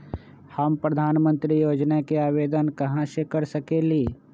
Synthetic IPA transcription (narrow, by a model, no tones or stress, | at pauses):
hɐmpɾɐd̪ʱaːnmə̃nt̪ɾijoːd͡ʒnakeaːʋeːd̪ənkɐɦãsekɐɾsɐkeliː